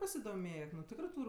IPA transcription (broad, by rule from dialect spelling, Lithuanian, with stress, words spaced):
pɐsʲɪdoːˈmʲeːk nʊ ˈtʲɪkrɜ ˈtuːrʲ